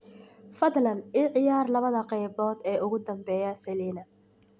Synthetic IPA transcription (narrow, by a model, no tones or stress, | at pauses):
fɐðlɐniːʕɪjaːrlɐβɐðɐqɛjbɔːd̪ɛːʊɣʊd̪ɐmbɛːjɐsɛliːnɐ